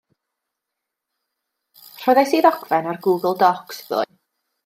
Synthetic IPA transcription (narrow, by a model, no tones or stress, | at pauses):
r̥ɔðajsiːðɔkʰvɛnarɡuːɡəl̩ˠdɔksb̥o̰